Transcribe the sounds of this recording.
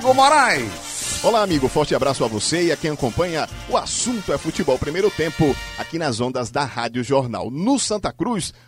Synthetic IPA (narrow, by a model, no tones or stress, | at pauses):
ɡʊmoɾaj | olaamiɡʊfɔɾt͡ʃɪabɾasʊavoseiakẽj̃akõmpɐ̃ɲɐʊasũnt̪ʊɛfut͡ʃibɔwpɾimejɾʊt̪ẽmpʊakinɐzõnd̪ɐzd̪ɐhad͡ʒjʊʒoɾna̰wnʊsɐ̃nt̪ɐkɾus